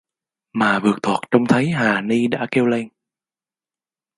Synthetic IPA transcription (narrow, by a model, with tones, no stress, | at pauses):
maː˨˩vɨ˨˩ək̚t̪ʰwaː˨˩t̚t͡ɕə˧wŋ͡mt̪ʰə˨˦jɦaː˨˩ni˧ɗa̰ː˧˥ke˧wle˧ŋ